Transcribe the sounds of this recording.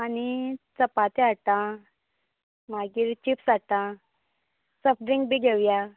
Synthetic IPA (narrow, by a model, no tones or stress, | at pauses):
anit͡səpat̪eat̪ã | maɡiːɾt͡ɕipsat̪ã | səfɖɾiŋɡbiɡʱeʋja